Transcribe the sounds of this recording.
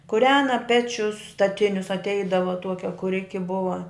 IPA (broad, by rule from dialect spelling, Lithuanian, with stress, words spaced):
kʊˈrʲæːnɐ ˈpʲæːt͡ʃʲʊs stɐˈtʲɪnʲʊs ɐtʲˈɛɪdɐʋɐ ˈtuɔkʲɛ kʊˈrʲɪkʲɪ ˈbʊʋɐ